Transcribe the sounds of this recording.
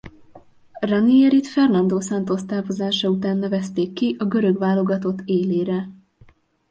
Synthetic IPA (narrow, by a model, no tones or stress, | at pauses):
rɒniɛɾit̪fɛrnɒnd̪oːsɛnt̪ost̪aːrvo̞zaːʃɒut̪aːnːɛvɛst̪eːkːiʔɒɡø̞ɾøɡʋaːlo̞ɡɒt̪o̞t̪ːeːleːɾɛ